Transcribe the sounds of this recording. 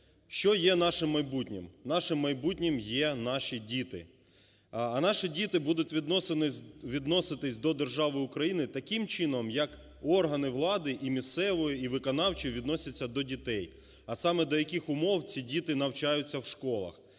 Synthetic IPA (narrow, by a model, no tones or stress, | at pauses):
ʃt͡ʃɔjɛnɑʃɪmːɐjbutʲnʲimnɑʃɪmːɐjbutʲnʲimjɛnɑʃidʲit̪ɪ̰ | ɐnɑʃidʲit̪ɪbud̪ʊtʲʋʲid̪nʋʲid̪nɔsɪt̪ɪsʲd̪ɔd̪erʒɑʋɪʊkɾɐjinɪt̪ɐkɪmt͡ʃɪnɔmjɐk | ɔrɦɐnɪʋlˠɑd̪ɪʔimʲist̪sɛʋɔjiiʋɪkɔnɑwt͡ʃiʋʲid̪nɔsʲɐt͡sʲːɐd̪ɔdʲit̪ɛj | ɐsɑmɛd̪ɔjɐkʲɪxʊmɔwt͡sʲidʲit̪ɪnɐwt͡ʃɑjʊt͡sʲːɐwʃkɔlˠɐ̰x